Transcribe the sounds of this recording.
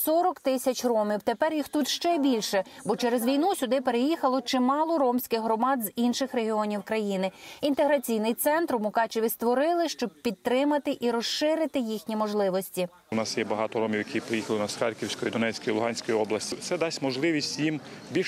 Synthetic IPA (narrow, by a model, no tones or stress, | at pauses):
sɔɾɔkt̪ɪsʲɐt͡ʃʲrɔmʲiwt̪epɛrjixt̪ut̪ʃt͡ʃɛbʲilʲʃɛbɔt͡ʃɛɾezʋʲijnusʲʊd̪ɪpe̞ɾejixɐlˠɔt͡ʃɪmɑlˠɔrɔmsʲkɪxɦɾɔmɑd̪zinʃɪxreɦʲiɔnʲiwkɾɐjinɪint̪eɦɾɐt͡sʲijnɪjt̪sɛnt̪ɾmʊkɑt͡ʃɪʋʲist̪ʋɔɾɪlˠɪʃt͡ʃɔb̚pʲid̪̚t̪ɾɪmɐt̪ɪʔiɾɔsʃɪɾɪt̪ɪjixnʲimɔʒlˠɪʋɔsʲtʲi | ʊnɑsjɛbɐɦɑt̪ɔɾɔmʲiwjɐkʰʲijpɾejixɐlˠɪnɐsxɑɾʲkʲiwsʲkɔjid̪ɔnɛt͡sʲkɔjilˠʊɦɑnʲsʲkɔjiɔblˠɐsʲtʲit̪sɛd̪ɑsʲmɔʒlˠɪʋʲisʲtʲjimbʲi